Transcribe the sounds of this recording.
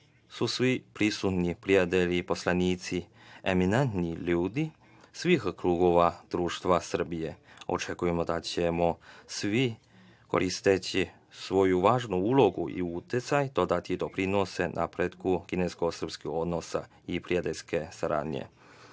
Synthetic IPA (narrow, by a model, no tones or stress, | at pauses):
susʋipɾisut̪nipɾijat̪elipo̞slaniːt̪si | eminent̪niʎuːd̪i | sʋixkɾuːɡo̞ʋad̪̥ɾuːʃt̪ʋasr̩bijeo̞̰t͡ʃe̞kujemo̞d̪at͡ɕemosʋi | ko̰ɾist̪et͡ɕi | sʋo̞juʋaːʒnuulo̞ɡuʔḭut̪jet̪sajd̪o̞d̪at̪id̪o̞pɾinose̞nʔa̰pɾet̪kukinesko̞sr̩pskixo̞d̪nosa | ipɾijat̪elʲske̞saɾa̰ːd̪ɲḛ